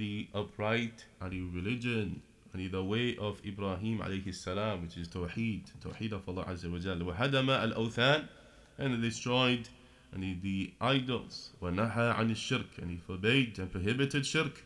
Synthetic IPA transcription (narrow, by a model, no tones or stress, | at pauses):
ðiʔʌpʰɹaɪtə̃niɹɨlɪd͡ʒɨ̃n | ə̃niðəweɪʔʌvɪbɾɑɦĩːmʕa̰leɪhɨsːalãmwɨt͡ʃɨz̥tʰoʊħiːd̥tʰoʊħidʌvlˠːɑ̰ʔazːəwəd͡ʒalwaɦadəmaːlʔoʊθan | ʔɨ̃ndɨstɹ̥ɔɪd | niðiʔaɪdəl̩ˠswanaɦaʕã̰nɨʃːɪɾkʰɨ̰̃nifɔ˞beɪdɨ̃npʰɹ̥əɦɪbɨtɨdʃɪɾk